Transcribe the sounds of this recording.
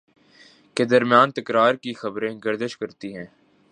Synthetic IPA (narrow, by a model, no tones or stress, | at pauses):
ked̪ɐɾmjaːnt̪ɐkɾaːɾkixɐbɾẽɡɐɾd̪əʃkɐɾt̪iɦɛ̃ː